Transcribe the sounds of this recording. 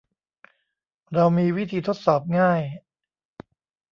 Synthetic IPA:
ɾa˧wmiː˧wi˦˥t̪ʰiː˧t̪ʰo˦˥t̪̚sɔː˨˩p̚ŋaː˥˩j

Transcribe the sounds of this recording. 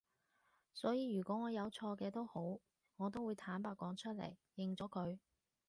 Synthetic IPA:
sɔː˨˥jiː˨˧ɥyː˨˩kʷɔː˨˥ŋɔː˨˧jɐ˨˧wt͡ʃʰɔː˧kɛː˧t̪o˥who˨˥w | ŋɔː˨˧t̪o˥wuː˨˧jt̪ʰaː˨˥npaː˧t̚kɔː˨˥ŋt͡ʃʰɵ˥t̚lḛ˨˩jjɪ˨˧ŋt͡sɔː˨˥kʰɵ˨˧ɥ

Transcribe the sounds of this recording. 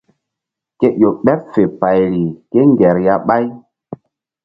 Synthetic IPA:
ke˦ʔo˨ɓɛ˦p̚fe˨pa˨jɾi˨ke˦ŋɡɛ˨ɾja˦ɓa˦j

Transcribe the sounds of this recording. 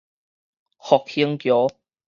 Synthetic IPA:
hɔː˨k̚hi˧˥ŋkjɔː˨˦

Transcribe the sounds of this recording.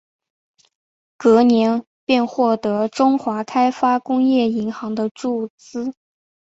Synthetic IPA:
kɤ˧˥njɛ˧˥n | pjɛ˥˧nxwɔ˥˩t̪ɤ˧˥ʈ͡ʂʊ˥ŋxwa˧˥kʰa˥ɪfa˥kʊ˥ŋjɛ˥˩i˧˥ŋxɑ˧˥ŋd̪ə˧ʈ͡ʂu˥˩t͡sɹ̩˥

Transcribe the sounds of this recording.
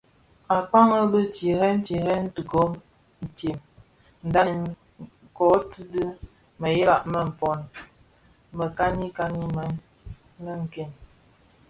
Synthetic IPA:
a˨k͡pa˦ŋə˦bə˦t͡ʃi˨ɾɛ˦n̩˦t͡ʃi˨ɾɛ˦n̩˦tə˨kɔ˦˨ | te˨m | n̩˨da˦˨n | kɔ˨˦ti˦də˦ | mə˨je˦la˨ʔmə˦˨m̩˨pɔ˨n | mə˨ka˦ni˦ka˦ni˦mɛ˨˦n | mə˦ŋ˨ke˨n

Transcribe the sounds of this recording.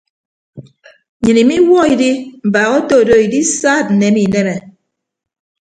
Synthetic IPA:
ɲɨ˨ni˨mi˦wɔ˦i˨di˦m̩˨ba˨ɣo˦to˦˨do˦˨i˨di˦saː˦˨t̚n̩˨nɛ˨˦mi˨nɛ˦mɛ˨

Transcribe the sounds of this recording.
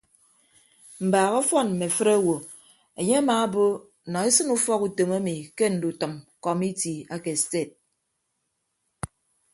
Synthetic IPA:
m̩˨baː˨ɣɔ˦fɔ˦˨nm̩˨me˨fɨ˦ɾa˦wo˨ | e˨ɲe˦a˦maː˨a˦bo˦˨ | nɔ˨e˦sɨ˦nu˦fɔ˦ku˨to˨ma˦mi˨ke˦n̩˨du˨tɨ˨mkɔ˨mi˦ti˨a˦ke˨ste˦˨t̚

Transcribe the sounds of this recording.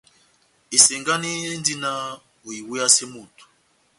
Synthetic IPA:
i˨sɛ˨ŋɡa˦ni˦n˦di˦na˦ | o˨i˨wu˦a˦se˦mu˨tu̥˨

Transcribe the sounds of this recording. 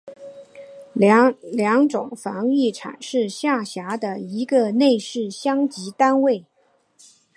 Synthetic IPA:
ljɑ˧˥ŋʈ͡ʂʊ˨˩ŋfɑ˧˥ŋi˥˩ʈ͡ʂʰa̰˨˩nʂɻ̩˥˧ɕja˥˩ɕja˧˥d̪ə˧i˧˥ɡə˧ne˥˧ɪʂɻ̩˥˩ɕjɑ˥ŋt͡ɕi˧˥t̪a˥nwe˥˩ɪ

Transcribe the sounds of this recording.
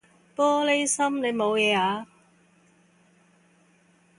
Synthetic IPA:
pɔː˥le˥jsɐ˥mne˨˧jmo˨˧wjɛː˨˧aː˨˧

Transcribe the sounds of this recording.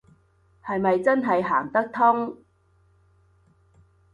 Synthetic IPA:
hɐ˨jmɐ˨jt͡sɐ˥nɦɐ˨jɦaː˨˩ŋt̪ɐ˥k̚t̪ʰʊ˥ŋ

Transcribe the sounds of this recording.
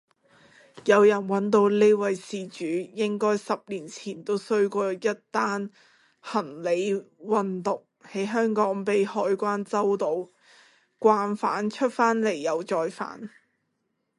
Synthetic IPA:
jɐ˨˧wjɐ˨˩nwɐ˨˥nt̪o˧wle˥jwɐ˨˧jsiː˨t͡ʃyː˨˥jɪ˥ŋkɔː˥jsɐ˨p̚liː˨˩nt͡sʰiː˨˩nt̪o˥wsɵ˥ɥkʷɔː˧jɐ˥t̚t̪aː˥n | hɐ˨˩ŋle˨˧jwɐ˨nt̪ʊ˨k̚he˨˥jɦœː˥ŋkɔː˨˥ŋpe˨jhɔː˧jkʷaː˥nt͡sɐ˥wt̪o˨˧w | kʷaː˧nfaː˨˥nt͡ʃʰɵ˥t̚faː˥nle˨˩jːɐ˨˧wt͡sɔː˨jfa̰ː˨˥n

